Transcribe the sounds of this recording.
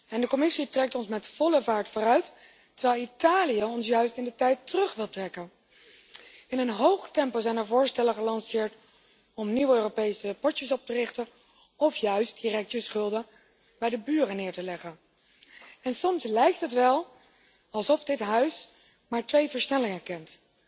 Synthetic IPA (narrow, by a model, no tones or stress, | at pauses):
ɛndəkɔmɪsitrɛk̚tɔnsmɛtfɔləvaːɹtfʊːrœɥtː | əɹʋɛjlˠitaːlijəɔnsjœɥstɪndətɛjtərɵχʋɪlˠtrɛkən | ɪnənɦowχtɛmpozɛjnəɹvʊːɹstɛləχəlɑnsɪːɹt | ɔmniwøːropejsəpɔɹtəsɔp̚tərɪχtən | ɔfjœɥst̚dirɛk̚təsχɵlˠdə | bɛjdəbyːrənɪːɹtəlɛχən | ɛnsɔmslɛjk̚tɦətʋɛlˠ | ɑlˠsɔfdɪtɦœɥs | maːɹtʋejvəɹsnɛlɪŋəkɛnt